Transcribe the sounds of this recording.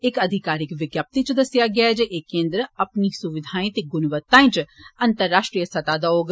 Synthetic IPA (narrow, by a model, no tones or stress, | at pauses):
ɪkəd̪ʱɪkaːɾɪkʋɪɡjaːp̚t̪it͡ʃd̪əsɪjaːɡjaɛd͡ʒeʔeːkẽːnd̪ɾəəpniːsʊʋɪd̪ʱaːĩt̪eːɡʊnʋət̪ːãːĩːt͡ʃənt̪əɾːaːʃʈɾijəsət̪aːd̪aːoːɡ